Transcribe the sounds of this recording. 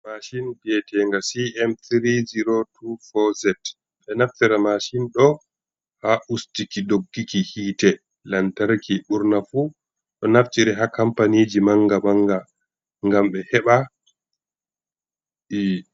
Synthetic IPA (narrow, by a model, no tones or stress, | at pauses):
maʃinbɛtʰɛːŋɡasiɛmt̪ɾiziɾotʰufɔzɛt | ɓɛnaftɛɾamaʃinɗɔ | haʔustikidoɡːikihiːtɛ | lantaɾkʰiɓuɾnafu | ɗɔnaft͡ʃiɾɛɦakampanid͡ʒimaŋɡamaŋɡa | ŋɡamɓɛhɛɓa | ʔi